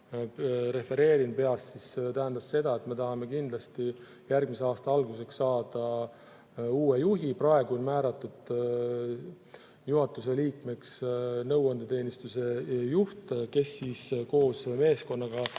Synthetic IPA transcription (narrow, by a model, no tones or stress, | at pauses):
ɾe̞fe̞ɾe̞ːɾinpe̞ɑssist̪æɦænd̪ɑsːe̞d̪̥ɑe̞t̪me̞t̪ɑɦɑme̞kind̪̥lɑst̪i | jærɡ̥̚mise̞ɑːst̪ɑɑlɡuse̞ksːɑːd̪̥ɑ | uːe̞juɦiprɑe̞ɡuonmæːɾɑt̪ːˑud̪̥ | juɦɑt̪ːˑus̬e̞liːkme̞ksnɤwɑnd̪et̪e̞ːnist̪use̞juht̪ke̞sːiːsko̞ːsme̞ːsko̞nːɑɡ̥ɑ